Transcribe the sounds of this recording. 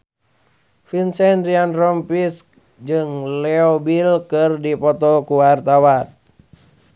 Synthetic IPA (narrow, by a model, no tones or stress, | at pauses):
finsɛndɾianrɔmpisk̚ | d͡ʒɨŋlɛɔbilkɨrdipɔt̪ɔkuwart̪awan